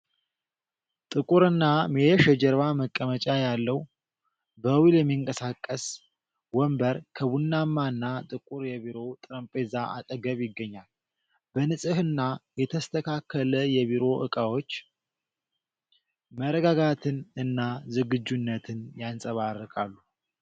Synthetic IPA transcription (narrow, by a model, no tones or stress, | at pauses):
t̪ʼɨkʼuɾɨnːameɛʃjɛd͡ʒɛɾβaməkʼːəmət͡ʃʼajalːəw | bəwiljɛmːiɨŋkʼəsakʼːəs | wɔmbəɾkʰəβunːamːaɨnːat̪ʼɨkʼuɾjɛβiɾo̞t̪ʼɨɾəmpʼezaʔa̰t̪ʼəɡəβjɪɡːəɲːal | b̥ənɨsʼɨhɨnːajɛt̪ʰəst̪ʰəkʰakʰːələjɛβiɾo̞ʔɨkʼawo̞t͡ʃː | məɾəɡaɡat̪ʰɨnɨnːazɨɡɨd͡ʒːunːət̪ʰɨnjansʼəβarːəkʼalːu